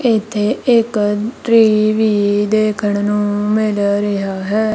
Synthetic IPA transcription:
ɪt̪ʰːeːɪkʈɾiːʋiːd̪eːkʰəɳnũːmɪlɾɪɦaːɦɛː

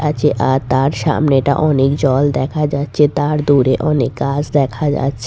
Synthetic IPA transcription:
at͡ɕʰeʔat̪aɾʃa̰mneʈa̰ʔɔnekd͡ʑɔld̪ɛkʰad͡ʑatːɕʰet̪aɾd̪uɾeʔɔnekɡad͡ʑd̪ɛkʰad͡ʑa̰tːɕʰe

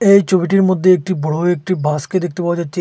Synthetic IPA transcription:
eːt͡ʃobiʈiɾmʊd̪ʱːeːk̚ʈibəɽoek̚ʈibʱaːsked̪ɪk̚ʰt̪epaod͡ʒat͡ʃ

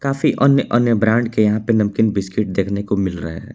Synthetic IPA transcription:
kaːfʰiʔənjəʔənjəbɾãːɳɖkejɐɦãpenɐmkɪnbɪskɪʈ̚d̪eːkʰnekomɪlɾə̰ɦe

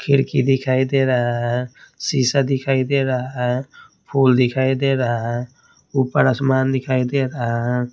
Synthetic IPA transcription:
kʰiɾkid̪ɪkʰaːid̪eɾaɦaɦsisad̪ɪkʰaːid̪eɾaɦaɦ | pʰuld̪ɪkʰaːid̪eɾəɦaɦɛ | upəɾəsmaːnd̪ɪkʰaːid̪eɾaɦa

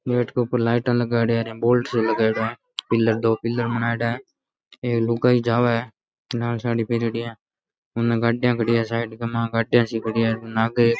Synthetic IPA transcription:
neːʈkepəɾlaːɪʈãːləɡaːɽeaːɾẽboːlʈsoləɡaːɽa | pɪlːəɾd̪oːpɪlːəɾmənaːeɽaː | eːklʊɡaːiːd͡ʒaːʋaː | naːlsaːɽiːpeɾɽɪjãː | ʊnːẽːɡaːɖjãːkəɽɪjãːsaːɪɖkemãːɡaːɖjãːsiːkʰəɽɪjaːnaːɡeː

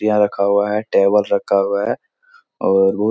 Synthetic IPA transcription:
ijãɾɐkʰaɦʊaɦɛʈeːbəlɾɐkʰːaɦʊaɦɛː | ɔːɾbɐɦ

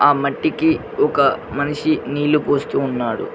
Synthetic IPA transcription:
aːmɐʈːiki | ɔkɐmɐniʂiniːlupoːst̪uːnːaːɽṵ

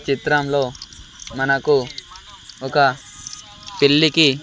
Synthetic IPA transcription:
t͡ʃit̪ɾɐmlo̞ː | mɐnɐku | ɔkɐ | pilːiki

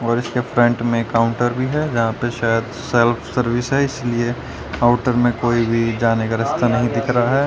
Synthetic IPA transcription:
ɔːɾɪskefɾɛ̃ɳʈmẽkaːʊ̃ɳʈəɾbʱiɦɛd͡ʒɐɦãpeʃaːjəd̪ | sɛlfʰsəɾʋɪsɦɛɪslie | aːʊʈəɾmẽkoːibʱid͡ʒaːnekaɾɪst̪ʰanɐɦĩd̪ɪkʰɾaɦɛː

